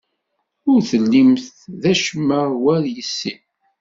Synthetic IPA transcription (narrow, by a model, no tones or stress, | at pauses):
ʊɾθəlːimθðæʃəmːəʁwæɾjəsːi